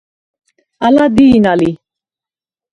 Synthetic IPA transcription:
alad̪iːnali

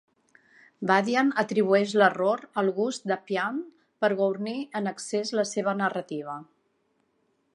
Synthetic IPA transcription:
baðianət̪ɾiβ̞uɛʃ̬ləroɾəlˠɣust̪d̪əpian | pəɾɣowɾniənəksezləseβ̞ənərət̪iβ̞ə

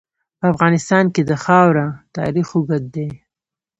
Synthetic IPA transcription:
pəafɣɑnɪst̪ɑnked̪əxɑwɾat̪ɑ̰ɾixoɡad̪̚d̪e

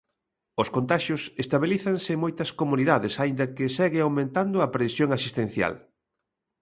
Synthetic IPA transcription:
ʊskont̪aʃjʊsest̪aβiliθɐŋsɪmojt̪ɐskomuniðaðɪsaind̪ɐkɪsɛɣɪawmẽnt̪and̪ʊɐpɾesjoŋasist̪en̟θja̰l

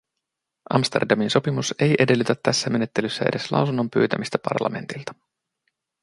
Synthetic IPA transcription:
ʔɑmst̪e̞rdɑminso̞pimuse̞jʔe̞de̞lːyt̪æt̪ːæsːæme̞ne̞t̪ːe̞lysːæʔe̞̰de̞slɑ̰wsunːo̞mpy̰ːt̪æmist̪æpɑ̰rlɑ̰me̞nt̪ilt̪ɑ̥

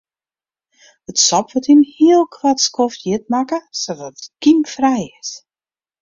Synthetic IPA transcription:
ətsɔpʋɔtinhiəlˠkʰwatskoftjɪt̚makəsoʋɔtət̚kimfrɛjɪs

